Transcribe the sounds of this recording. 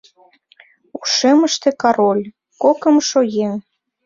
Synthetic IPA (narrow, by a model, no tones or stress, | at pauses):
uʃeməʃt̪ĕkɑɾolʲ | kokə̆mʃojeŋ